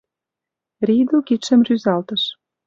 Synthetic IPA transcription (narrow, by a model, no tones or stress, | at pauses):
ɾid̪ukiʃə̆mryzɑlt̪ə̆ʃ